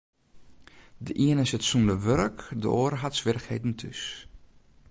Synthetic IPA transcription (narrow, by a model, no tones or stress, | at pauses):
dəʔiənɪsətsundəʋørkdə̰ʔoːɾəɦatsʋɪrəxheːdn̩tʰys